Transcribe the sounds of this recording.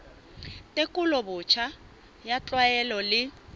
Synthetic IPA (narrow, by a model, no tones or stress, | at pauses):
tʼekʼʊlɔbʊt͡ʃʰa | jat͡ɬʼwajɛlɔlɪ